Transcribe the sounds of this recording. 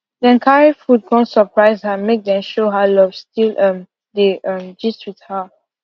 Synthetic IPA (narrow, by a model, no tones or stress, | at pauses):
dɛ̃nkʰaɹifud̚kʰɔ̃nsəpɹaɪzhəmek̚dɛ̃mʃoɦalɔvstilʔʌ̃m | deʔʌ̃md͡ʒiswið̥hə